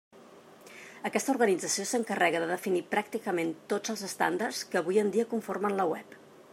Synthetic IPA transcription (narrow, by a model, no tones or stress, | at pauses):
əkɛst̪əuɾɣənid͡zəsiosəŋkərɛɣəðəðəfinipɾak̚t̪ikəment̪od͡zəlˠzəst̪a̰nd̪ərskəβujənd̪iəkuɱformənləwɛp